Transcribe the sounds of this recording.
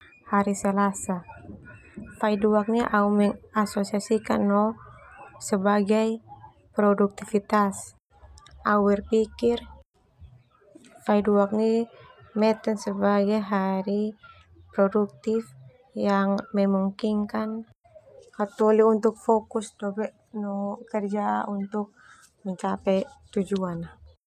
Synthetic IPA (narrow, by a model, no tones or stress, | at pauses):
haɾisɛlasa | faiduak̚niʔaumɛŋasosiasika̰nːɔ | sɛbaɡaj | pɾɔduk̚t̪ifit̪as | awɛrpikir | faiduak̚nimɛt̪ɛnsəbaɡajɦaɾi | pɾɔduk̚t̪if | jaŋmɛmuŋkiŋkan | kat̪ɔliunt̪ʊk̚fɔkusdɔbɛʔ | nɔkərd͡ʒaunt̪ʊk̚ | məɲt͡ʃapɛt̪ud͡ʒuan